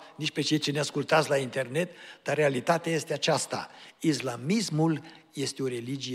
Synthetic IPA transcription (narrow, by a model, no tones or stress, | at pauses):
nit͡ʃpe̞t͡ʃe̞jt͡ʃeneaskult̪at̪sʲlaint̪e̞rne̞t̪d̪̥arːealit̪at̪eaje̞st̪e̞at͡ʃast̪a̰islamismulje̞st̪eo̞ɾe̞lid͡ʒije